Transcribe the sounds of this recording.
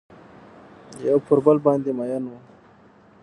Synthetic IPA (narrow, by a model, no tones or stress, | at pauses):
jawpʊɾbalbɑːnd̪emajanwu